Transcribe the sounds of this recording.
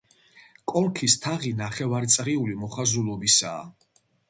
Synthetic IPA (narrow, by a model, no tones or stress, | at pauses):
kʼɔɾkʰist̪ʰaʁinaχɛvaɾt̪sʼʁiulimɔχazulˠɔbisaː